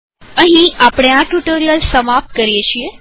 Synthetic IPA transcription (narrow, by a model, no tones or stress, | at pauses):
ə̃ɦĩapɳjãʈuʈoɾijəlsəmap̚kəɾijeʃie